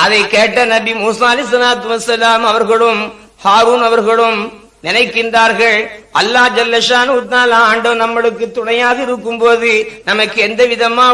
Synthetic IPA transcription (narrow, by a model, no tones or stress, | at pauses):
ʔɐðɐɪkːeːʈːɐnɐbimuːsaːɐlɛs̬ɐnaːt̪ʋɐsːɐlaːmɐʋɐɾɣɐɭɯm | haːɾuːnɐʋɐɾɣɐɭɯm | nɪnɐɪkːɪndraːɾɣɐɭʔɐlːaːd͡ʒɐlːɐʃaːnʊt̪ːnaːlaaːɳɖɐnɐmːɐɭɯkːɯt̪ːʊɽɐjaːðɪɾɯkːɯmpoːðɯnɐmɐkːɯɛnd̪ɐʋɪðɐmaː